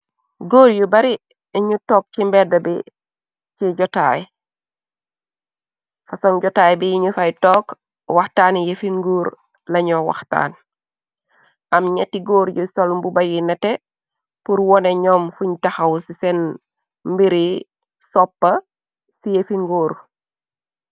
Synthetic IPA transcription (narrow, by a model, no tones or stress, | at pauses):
ɡoːɾjubɐɾi | iɲutoːk̚cimbɛdɐbi | ciɟɔtaːj | fasoŋɟɔtaːjbijiɲufajtoːk | waxtaːnjefiŋɡuːɾ | lɐɲɔwa̰xta̰ːn | ʔɐmɲetiɡoːɾɟusolmbubɐjinɐte | puɾwɔneɲɔːmfuɲtaxɐwsisen | mbiɾi | sɔpːɐ | sijefiŋɡoːɾ